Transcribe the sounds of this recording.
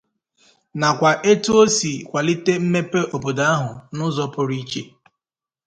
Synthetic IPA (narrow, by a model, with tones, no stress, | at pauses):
na˨kʷa˨ʔe˦tu˦o˦si˨kʷa˨lɪ˦te˦m̩˦me˦pe˦o˨bo˨da˦a˦ɦʊ˨nʊ˦zɔ˦pʊ˨ɾi˦t͡ʃe˦